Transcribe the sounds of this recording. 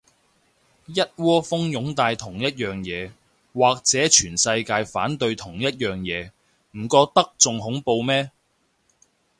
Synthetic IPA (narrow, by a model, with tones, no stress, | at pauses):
jɐ˥t̚wɔː˥fʊ˥ŋjʊ˨˥ŋt̪aː˧jt̪ʰʊ˨˩ŋjɐ˥t̚jœː˨ŋjɛː˨˧ | waː˨k̚t͡sɛː˨˥t͡ʃʰyː˨˩nsɐ˧jkaː˧jfaː˨˥nt̪ɵ˧ɥt̪ʰʊ˨˩ŋjɐ˥t̚jœː˨ŋjɛː˨˧ | m̩˨˩kɔː˧k̚t̪ɐ˥k̚t͡sʊ˨ŋɦʊ˨˥ŋpo˧wmɛː˥